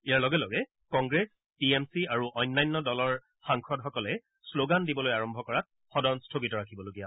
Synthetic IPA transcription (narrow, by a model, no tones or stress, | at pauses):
ijaɹlɔɡɛlɔɡɛ | kɔ̃ŋɡɹes | piemsiaɹuʔɔjnːajnːɔdɔlɔɹ | xaŋkɔdxɔkɔlɛ | sloɡandibɔlojaɹɔmbʱɔkɔɹat̚ | xɔdɔnstʰoɡitɔɹakʰibɔloɡija